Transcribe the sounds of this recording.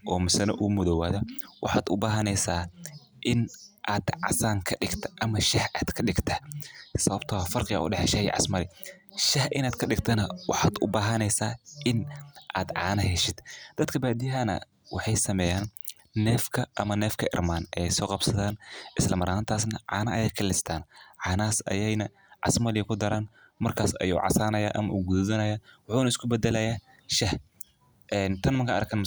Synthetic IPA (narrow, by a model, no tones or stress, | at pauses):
ʔɔːmɪsɐnɐʔʊmʊðɔwaːðɐwɑħɑːd̪ʊbaːɦɐnɛjsaː | ʔɪnʔaːd̪ʕɑ̰saːŋkʰɐɖɪɡt̪ʰɐ̥ʔɐmɐʃɐhʔaːd̪kʰɐɗɪɡt̪ʰɐsɐβɐbt̪ʰɐfɐrqɪja̰ʔʊ̰ɖɛħɛʃɐhjɛ̰ʕɑ̰smɐlɪʃɐhʔɪnaːd̪kʰɐɗɪɡt̪ʰɐnɐwɑ̰ħɑːd̪ʊ̰baːɦɐnɛjsaːʔɪnʔaːd̪ʕɑ̰ːnɐɦɛʃɪd̪̥d̪̥ɐd̪kʰɐbaːd̪ɪjɦɐnɐ̰ | wɑħɑjsɐmɛjaːnː | ɛːfkʰɐʔɐmɐnɛːfkʰɐʔɪ̰rmaːnʔɛjsɔːqɑbsɐðaːnʔɪslɐmɐɾaːnt̪ʰaːsnɐʕɑ̰ːnɐʔɐjɛjkʰɐlɪst̪ʰaːnʕɑːnɐaːsɐ̰jɛjnɐ | ʕɑ̰smɐlɪjɐkʰʊd̪ɐɾaːn | mɐrkʰaːsɐ̰jṵːʕɑ̰saːnɐja̰ːʔɐ̰mɐ̰ʔuːɡuððɐnɐjaːwɑħuːnɐɪskʰʊbɛd̪ɛlɐjaː | ʃɐh | ʔɛːnt̪ʰɐnmɐŋkʰɐʔɐɾkʰɐnm